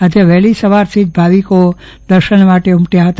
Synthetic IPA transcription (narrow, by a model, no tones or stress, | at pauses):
ɦəd͡ʒeʋɛɦlisəʋaɾt̪ʰid͡ʒbʱaʋiko | d̪əɾʃənmaʈeumʈjaɦət̪